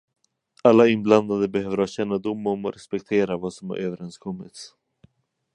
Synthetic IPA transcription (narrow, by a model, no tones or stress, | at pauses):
alːaɪnbland̪ad̪əbɛhøːvəɾhaɕɛnːad̪ʊmːɔmɔ̰ɾɛspɛkt̪ʰeːɾavaːsɔmha̰ɾʔøːvəɾɛnskʰɔmːɪ̰t̪s